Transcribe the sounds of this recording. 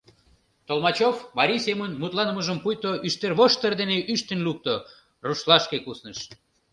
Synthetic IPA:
t̪olmɑt͡ɕofmɑɾʲijsemənmut̪lɑnəməʒəmpujt̪oʔyʃt̪erβoʃt̪ərd̪eneʔyʃt̪ənluk̚t̪o | ruʃlɑʃkekusnəʃ

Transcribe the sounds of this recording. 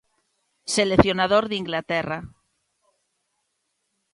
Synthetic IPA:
seleθjonaðoɾðiŋɡlat̪era

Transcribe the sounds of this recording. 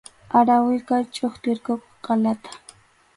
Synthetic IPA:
aɾawɪkajt͡ʃʼoχt̪ɪɾkokʊqɑlat̪ḁ

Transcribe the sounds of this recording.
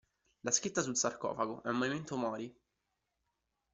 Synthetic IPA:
laskɾit̪ːasulsarkɔ̰ːfaɡoʔɛumːoviment̪omɔːɾi

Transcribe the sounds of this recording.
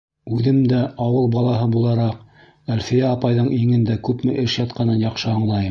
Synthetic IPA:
ʉðɘmd̪æɑwɤlˠbɑlˠɑɦɤbulˠɑɾɑq | ælfijæːpɑjðɤɴʔiŋɘnd̪ækʉpmɘ̰ʔɘʃjɑt̪̚qɑnɤnjɑqʃɤɑɴlˠɑjɤm

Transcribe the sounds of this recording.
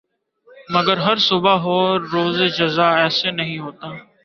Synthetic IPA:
məɡəɾɦəɾsʊbaɦoːɾoːzeːd͡ʒəzaːɛːseːnəɦĩːɦoːt̪aː

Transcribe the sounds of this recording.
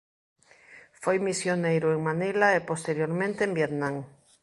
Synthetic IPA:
fojmisjonejɾʊeŋmanelaepost̪eɾjoɾmẽnt̪eembjet̪nãŋ

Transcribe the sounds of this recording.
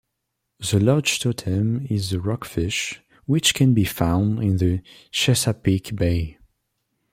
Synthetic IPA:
ðəlɑɹ̥d͡ʒtʰɔtʰə̃mɪzəɹɑkfɪʃ | wɪt͡ʃkʰɛ̃nbifãʊ̃ndɪ̃nðəʃɛsapikbeɪ

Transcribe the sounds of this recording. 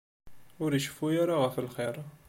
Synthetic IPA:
ʊɾiʃfujaɾaʁəfəlχiɾˤ

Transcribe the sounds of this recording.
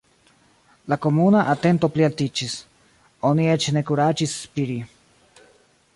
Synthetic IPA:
lako̞munaʔate̞nto̞plialtit͡ʃis | o̞nie̞t͡ʃne̞kuɾad͡ʒisːpiɾi

